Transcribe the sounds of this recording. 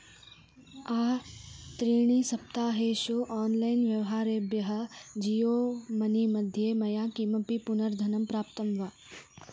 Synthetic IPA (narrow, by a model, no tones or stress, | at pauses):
aːt̪ɾiːɳ̃isɐpt̪aːɦeːʃoːʔaːnlajnʋjɐʋɦaːɾeːbjɐɦɐ̆d͡ʒijoːmɐnimɐd̪ʱjeːmɐjaːkimɐpipunɐɾd̪ʱɐnɐmpɾaːpt̪ɐmʋaː